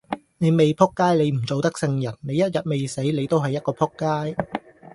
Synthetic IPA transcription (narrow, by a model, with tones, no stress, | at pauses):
ne˨˧jme˨jpʰʊ˥kːaː˥jle˨˧jm̩˨˩t͡so˨wt̪ɐ˥k̚sɪ˧ŋjɐ˨˩nne˨˧jɐ˥t̚jɐ˨t̚me˨jse˨˥jle˨˧jt̪o˥wɦɐ˨jːɐ˥t̚kɔː˧pʰʊ˥kːaː˥j